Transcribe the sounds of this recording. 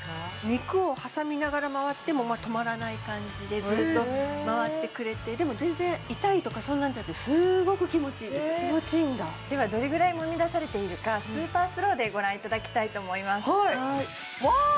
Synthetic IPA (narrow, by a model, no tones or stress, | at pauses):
amʲikɯ̟o̞hasamʲinaɡaɾamaβat̪ːe̞mo̞mat̪o̞maɾanaikãɲ̟d͡ʑid̪e̞zɨt̪ːo̞maβat̪ːe̞kɯ̟ɾe̞t̪e̞d̪e̞mo̞zẽ̞nzẽ̞ɰit̪ait̪o̞kasõ̞nːãɲ̟d͡ʑanak̟t̪esɨɡo̞kɯ̟kʲimo̞t͡ɕiːd̪e̞sɨoend̪ad̪e̞βad̪o̞ɾe̞ɡɯ̟ɾaimomʲid̪asaɾe̞t̪e̞iɾɯ̟kasɨːpaːsɨɾo̞ːd̪e̞ɡo̞ɾãit̪ad̪akʲi̥t̪ait̪o̞ːmo̞imasaia | βa